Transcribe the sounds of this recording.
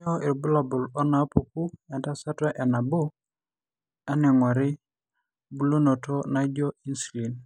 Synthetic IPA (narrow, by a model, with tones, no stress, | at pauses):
ɔ˦ɪ˨ɾbʊ˦la˨bʊ˨lɔ˦na˨˦po˨ku˦ɛ˨nta˦sa˦twa˦ʔɛ˨na˨bʊ˦ | a˦nɛ˨ŋwa˨ɾɪ˦ | bu˦lo˦no˨tɔ˦na˦d͡ʒo˦i˦nsu˨li˨n